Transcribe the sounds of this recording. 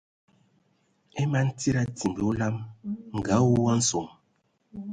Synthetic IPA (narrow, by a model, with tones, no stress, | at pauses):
ɛ˦ma˦n̩˦ti˦ɾa˦ti˨mbe˨˦o˦la˦mŋ̩˨ɡa˨˦wo˦wa˦n̩˦so˨m